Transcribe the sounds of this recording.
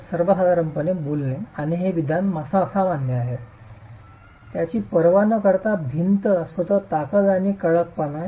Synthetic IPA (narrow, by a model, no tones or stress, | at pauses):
səɾʋəɦad͡zaɾəmpənebolneaɽ̃iɦeʋid̪ʱjanməsaəsamanːəaɦe | t̪jat͡ɕiːpəɾʋanəkəɾt̪abʱint̪əəsʋət̪ət̪akəlaniːkəɭək̚pəna